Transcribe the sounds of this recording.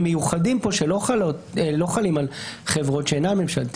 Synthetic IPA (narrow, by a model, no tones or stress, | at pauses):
mejuχadimpo̞ʃelo̞χalotelo̞χalimalχe̞vʁo̞tʃeenamemʃalt̪